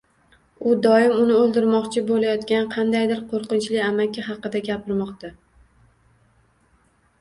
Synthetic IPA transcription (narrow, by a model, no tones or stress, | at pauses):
ʊd̪ɒɪmʊnɪolˠd̪ɪɾmɒqt͡ʃʰɪbolajɒt̪kʲanqʰɑnd̪ajd̪ɪɾqʰoɾqɨnt͡ʃlɪamakʲːahɑqɨd̪aɡʲapʰɪɾmɒqt̪a